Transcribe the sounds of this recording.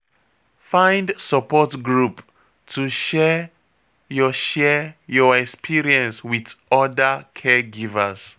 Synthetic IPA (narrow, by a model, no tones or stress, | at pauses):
fãj̃ndsəpɔtɡɹup | tʰuʃɛ | jɔʃɛjɔɛkspʰiɹiɛ̃nswiθɔdəkʰɛɡivəs